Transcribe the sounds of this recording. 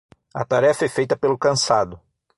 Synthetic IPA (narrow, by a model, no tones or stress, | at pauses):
ɐ̰t̪aɾɛfɐɛfejt̪ɐpelʊkɐ̃sad̪ʊ